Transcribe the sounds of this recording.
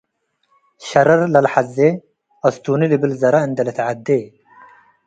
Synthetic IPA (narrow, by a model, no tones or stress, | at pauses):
ɕɐɾɐɾlɐlħaze | ɐst̪uːnilibilzɐɾaind̪ɐlɐt̪ʕad̪ːeː